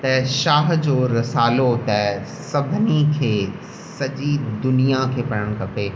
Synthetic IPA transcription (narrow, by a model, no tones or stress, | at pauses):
t̪ɐʃaːɦ̆d͡ʑoːɾɐsaːlot̪ɐ | sɐbʱnikʰeː | sɐʄid̪ʊnijakʰeːpɐɽəɽ̃kɐpeː